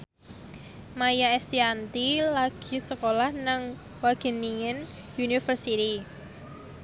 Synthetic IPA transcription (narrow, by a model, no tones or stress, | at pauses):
majaɛst̪iant̪ilaɡ̥i̤səkolahnaŋ | waɡ̥e̤niŋɪn | junifərsit̪i